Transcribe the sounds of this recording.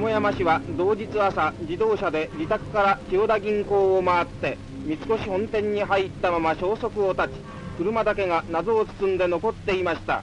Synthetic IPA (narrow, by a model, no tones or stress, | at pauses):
mojamaɕiβad̪o̞ːd͡ʑit͡sɨasad͡ʑid̪o̞ːɕad̪e̞d͡ʑit̪akɯ̟̥kaɾad͡ʑoːd̪aɡʲĩŋko̞ːomaːt̪ːe̞ | mʲit͡sɨ̥ko̞ɕihõ̞nt̪ẽ̞ɲ̟ːiɦait̪ːamamaɕo̞ːso̞kɯ̟o̞t̪at͡ɕi̥ | kɯ̟ɾɯ̟mad̪ake̞ŋanazo̞ːt͡sɨ̥sɨ̃nd̪e̞no̞ko̞t̪ːe̞imaɕi̥t̪a̰